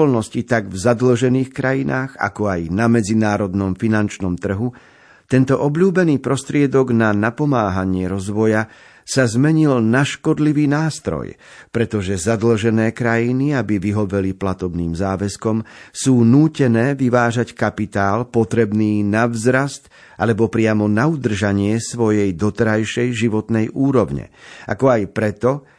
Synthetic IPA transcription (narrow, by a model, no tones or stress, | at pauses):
ɔlnɔscit̪aɡvzad̪l̩ʒɛniːxkɾajinʔaːɣa̰kɔajnamɛd͡zinaːɾɔd̪nɔmfinant͡ʃnɔmt̪r̩ɦu | t̪ɛnt̪ɔʔɔbʎuːbɛniːpɾɔst̪ɾɪɛd̪ɔɡnanapɔmaːɦaɲɪɛɾɔzʋɔja | sazmɛɲilnaʃkɔd̪liʋiːnaːst̪ɾɔ̰jpɾɛt̪ɔʒɛzad̪l̩ʒɛnɛːkɾajiniabiʋiɦɔʋɛliplat̪ɔbnḭːmzaːʋɛskɔmsuːnuːcɛnɛːʋiʋaːʒackapit̪aːlpɔt̪ɾɛbniːnavzɾast̪ | ʔa̰lɛbɔpɾɪamɔnaud̪r̩ʒaɲɪɛsʋɔjɛjd̪ɔt̪ɛɾajʃɛjʒiʋɔt̪nɛjʔuːɾɔʊɲɛ̰a̰kɔajpɾɛt̪ɔ